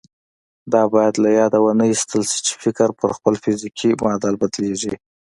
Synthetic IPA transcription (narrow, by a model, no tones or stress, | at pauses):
d̪ɑbɑjad̪lajɑd̪awənəjist̪əlʃi̥t͡ʃe̥fɪkɾpəɾxpəlfɪzikʰimɑd̪albad̪leʒi